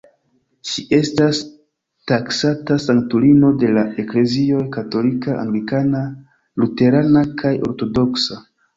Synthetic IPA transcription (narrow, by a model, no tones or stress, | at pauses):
ʃiʔe̞stas | taksatasaŋktulino̞de̞lae̞kle̞zio̞jkato̞likaʔa̰ŋɡlikana | lute̞ɾanakʰajo̞̰ɾto̞do̞ksa